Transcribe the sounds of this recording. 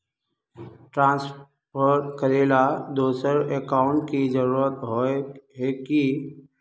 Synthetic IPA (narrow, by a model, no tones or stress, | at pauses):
ʈɾãːns | pəɾkəɾeːlad̪oːsəɾekaːʊɳʈkizəɾuːɾət̪ɦoɦeki